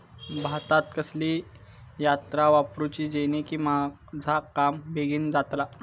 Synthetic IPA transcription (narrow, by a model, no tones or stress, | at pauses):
bʱat̪at̪̚kəsliː | jat̪ɾaʋapɾut͡ɕiːd͡ʑenekiːma | d͡zʱakambeɡiːnd͡zat̪la